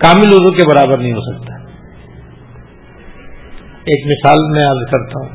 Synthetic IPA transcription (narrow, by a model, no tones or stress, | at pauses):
kaːmĩloːzõkebɐɾaːbəɾnɐɦĩɦosɐk̚t̪a | eːkmɪsaːlmɛ̃aɾd̪kɐɾt̪aɦũː